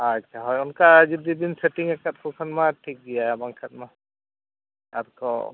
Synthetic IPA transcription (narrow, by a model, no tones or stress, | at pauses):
ɦaatʃʰaɦɔjɔnkad͡ʒid̪ibinseʈiŋɛkat̚kʰɔkʰanmaʈʰik̚ɡijaabaŋkʰatma | aɾkɔ̰